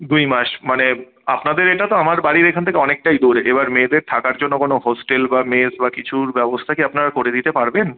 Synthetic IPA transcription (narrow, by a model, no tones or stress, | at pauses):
d̪ujmaʃmane | apnad̪eɾeʈat̪oamaɾbaɽiɾekʰant̪ʰekeɔnek̚ʈajd̪oɾeʔebaɾmed̪eɾt̪ʰakaɾd͡ʑonːokonohɔsʈelbamesbakit͡ɕʰuɾbɛbost̪ʰakiapnaɾakoɾed̪it̪epaɾben